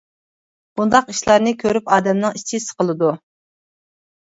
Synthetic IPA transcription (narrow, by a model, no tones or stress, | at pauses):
b̥und̪ɑqiʃlˠɑɾnɨkʲʰøɾypɑːd̪ɛmnɨŋit͡ʃʰisə̥qʰəlˠɨd̪u